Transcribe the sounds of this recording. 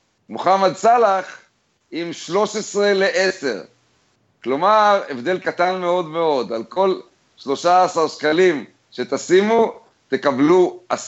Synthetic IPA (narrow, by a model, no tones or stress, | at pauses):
moχamad̪̚salaχ | imʃlo̞ʃesʁe̞leʔeseʁ | klo̞maʁe̞vd̪e̞lkat̪anme̞o̞d̪me̞o̞d̪alko̞l | ʃlo̞ʃaasaʁʃkalim | ʃe̞t̪asimu | t̪e̞kabluas